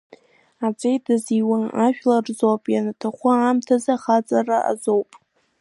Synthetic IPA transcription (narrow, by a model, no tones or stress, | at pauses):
at͡sʼejdɨziwaaʃᶣlarzapʼjanatʰaχʷʊamtʰazaχat͡sʼaraʔa̰zowpʼ